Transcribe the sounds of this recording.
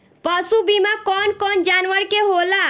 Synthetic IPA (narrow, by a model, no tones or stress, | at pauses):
pəsubimakɔnkɔnd͡ʒanʋəɾkeɦola